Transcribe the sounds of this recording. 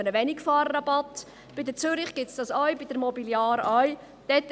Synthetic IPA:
ənəʋɛnikfɑːɾɾɑbɑt | b̥ɪd̪ət͡sʏɾɪχɡ̥ɪtsd̥ɑsœɥbid̪əɾmɔbiljɑːɾœj | d̥ɛt

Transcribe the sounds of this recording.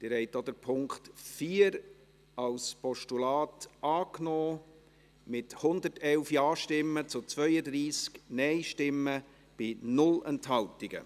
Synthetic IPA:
d̪̥ɪɾhɛɪtod̥̪əɾpʰʊŋkχtfiːəɾ | ɑlspɔʃtulɑːtʔɑːknɔː | mɪthʊnd̪ətɛlfjɑːʃtɪmːət͡sʊt͡sʋœʏəd̪ɾiːsknɛɪʃtɪmːə | b̥ɪnʊlɛnthɑltɪɡ̥ə̰

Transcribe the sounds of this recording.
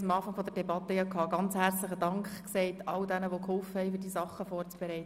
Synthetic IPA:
mɑːfɑŋfɔd̥̪əd̥ɛbɑt̪ːəjɑkʰɑːɡ̥ɑnt͡shært͡sləχəd̥ɑŋkχkseɪt̪ɑld̥ænəʋokhɔlfəhɛjfyːrd̥iːsɑχːəfɔːrt͡sb̥ɛɾɛɪt̪ə

